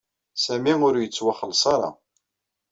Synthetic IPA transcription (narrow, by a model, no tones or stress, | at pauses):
sæmiʊɾjət͡sːwaχəlsˤɑɾˤɑ̰